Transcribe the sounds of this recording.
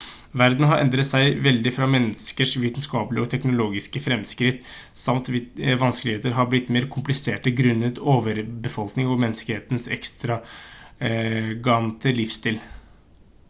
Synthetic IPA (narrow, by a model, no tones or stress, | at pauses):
ʋæɾd̪n̩ɦɑɾʔɛ̰nd̪ɾət̪sæɪʋɛld̪ɪfɾɑmɛnːəskəʂʋiːt̪nskɑːpəlɪəɔt̪ʰɛknʊloːɡɪskəfɾɛmskɾɪt̪ːsɑmt̪ʋɪʋɑnskəlɪheːt̪əɾɦɑblɪt̪ːmeːɾkʰʊmplɪseːʈəɡɾʉnːət̪oːʋəɾbəfɔlknɪŋɔmɛnːskəheːt̪ən̩sɛ̰kst̪ɾɑ | ɡɑnt̪əlɪfst̪ɪːl